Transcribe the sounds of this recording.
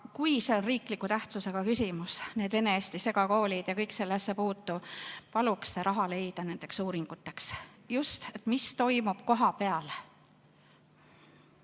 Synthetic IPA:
kujse̞onriːklikːˑut̪æht̪suse̞ɡ̥ɑkysʲimusneːd̪ve̞ne̞esʲt̪ise̞ɡɑko̞ːlʲid̪̥jɑkɤjkselːesːepuːt̪ːˑupɑluksːeɾʔɑɦɑle̞jd̪̥ɑne̞nd̪̥e̞ksuːɾiŋɡ̥ut̪ːˑe̞ks | just̪et̪ːˑmist̪o̞jmub̥ko̞ɦɑpe̞ɑl

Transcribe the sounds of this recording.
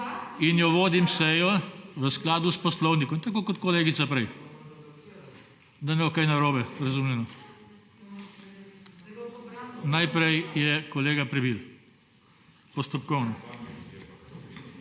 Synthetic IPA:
injɔʋoːd̪imsɛjɔʋəsklaːd̪uspɔslɔwnikɔmt̪akoːkɔt̪kɔleːɡit̪sapɾɛj | d̪anɛɔkajnaɾoːbɛɾɐzuːmjɛnɔ | najpɾɛjjɛkɔleːɡapɾɛbil | pɔst̪ɔpkɔwnɔ

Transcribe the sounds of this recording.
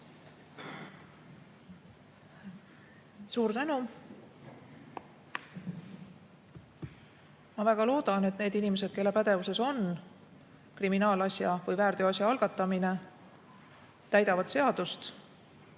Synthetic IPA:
suːɾt̪ænu | mɑvæɡ̥ɑlo̞ːd̪̥ɑne̞t̪ne̞ːd̪inime̞s̬ed̪̚ke̞lːe̞pæd̪̥e̞vuse̞so̞n | kriminɑːlɑsjɑvɯjvæːrd̪̥eɑsʲjɑɑlɡ̥ɑt̪ːˑɑmine̞ | t̪æjd̪ɑvɑd̪̥se̞ɑd̪̥ust̪

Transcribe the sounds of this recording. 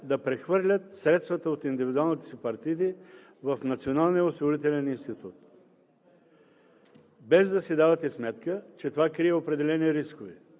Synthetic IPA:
d̪ɐpɾɛxvɤɾlʲət̪sɾɛt̪st̪vɐt̪əot̪ind̪ivid̪ualˠnit̪ɛ̥sipɐɾt̪id̪i | vɐfnɐt̪sionalˠnijəosiɡoɾit̪ɛlɛninst̪it̪ut̪ | bɛzd̪ɐsɛd̪avɐt̪ɛsmɛt̪kət͡ʃɛt̪ovakɾiɛopɾɛd̪ɛlɛniɾiskovḭ

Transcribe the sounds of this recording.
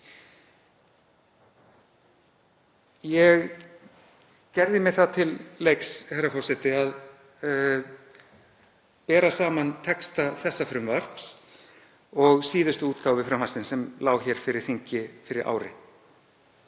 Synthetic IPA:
jɛɣ | cɛɾðɪmɛθaðt̪ʰɪlːejkshɛɾafɔr̥sɛt̪ɪað | pɛːɾasaːmant̪ʰɛkst̪aθɛsːafɾʏmvar̥ps | ɔɣsiːðʏst̪ʏuːt̪kawvɪfɾamhasɪnsɛmlaːwɣçɛɾ̥fɪɾɪɾ̥θiɲcɪfɪɾɪɾʔa̰ːwɾɪ̰

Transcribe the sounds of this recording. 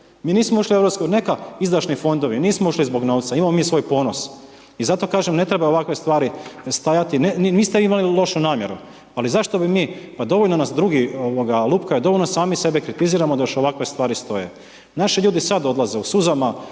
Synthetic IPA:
miːniːsmouʃlievɾopskoɡne̞kaizd̪ɾaʃnifo̞nd̪o̞ʋiniːsmouʃlizbo̞ɡno̞ːʋt̪saimamomiːsʋo̞jpo̞ːno̞s | izat̪o̞kaːʒemne̞t̪ɾebao̞ʋakʋest̪ʋaːɾist̪ajat̪inenimiːst̪e̞ʋiimalilˠo̞ʃunaːmje̞ɾu | alizaʃt̪o̞bimiːpad̪o̞ʋolnonasd̪ɾuɡioʋo̞ɡalˠuːpkajed̪o̞ʋoʎnosaːmise̞bekɾit̪iziːɾamod̪ajoʃo̞ʋakʋe̞st̪ʋaːɾist̪o̞jḛ | naʃiʎuːd̪isad̪o̞d̪lˠazeusuzama

